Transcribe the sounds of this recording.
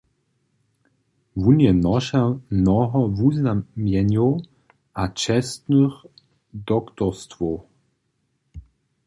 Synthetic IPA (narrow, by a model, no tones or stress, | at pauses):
vunjɛnɔʃamnɔɦɔvuznamjɛɲjo | ʔat͡ʃɛst̪nøx | d̪ɔkt̪ɔʁst̪vow